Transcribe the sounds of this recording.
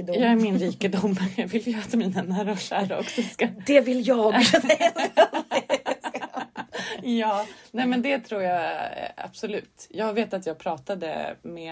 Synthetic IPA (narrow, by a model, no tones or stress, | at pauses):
d̪jɑːɡæɾmɪnɾiːkad̪uːmːɾjɑːɡvɪljəat̪miːnanæːɾaʃæːɾaɔksɔskad̪ɛvɪljɑːɡaɛjja | k | jɑːnɛmɛnd̪ɛt̪ʰɾuːɾjaa̰b̥sʊlʉ̟ːt̪jɑːɡveːt̪at̪jɑːɡ̚pʰɾɑːt̪ad̪ə̰mɛ